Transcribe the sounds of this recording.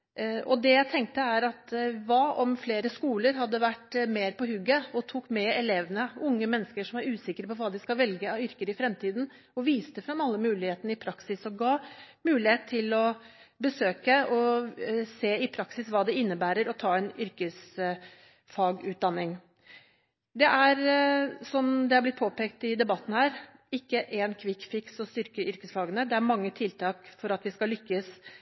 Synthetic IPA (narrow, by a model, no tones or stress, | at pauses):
ʔɔd̪ɛjæɪt̪ʰɛŋk̚t̪əæɾɑt̪ʋɑːʔɔmfleːɾəskuːləɾɦɑd̪ːəʋæʈːmeːɾpɔhʉɡːəɔt̪ʰuːkmɛɛleːʋənəʊŋːəmɛnːəskəʂɔmæɾʉːsɪkəɾəpɔʋɑːd̪ɪskɑlʋɛlɡəɑʋʏɾkəɾɪfɾɛmt̪ʰiːd̪n | ɔʋiːst̪əfɾɑmɑlːəmʉːlɪheːt̪ənəɪpʰɾɑksɪsɔɡɑː | mʉːlɪheːt̪t̪ʰːɪlɔ | bəsøːkəɔ | seːɪpʰɾɑksɪsʋɑːd̪ɛɪnːəbæːɾəɾɔt̪ʰɑːɛnʏɾkəs | fɑːɡʉːt̪̚d̪ɑnːɪŋ | d̪ɛʔæɾsɔmd̪ɛhɑb̪ɪt̪pʰoːpeːkt̪ɪd̪ɛbɑt̪ːn̩hæːɾɪkːəʔɛːnkʰʋɪkfɪksɔst̪ʏɾkəʔʏɾkəsfɑːɡənəd̪ɛæɾmɑŋːət̪ʰɪlt̪ʰɑːkfɔɾɑt̪ʋɪskɑlʏkːəs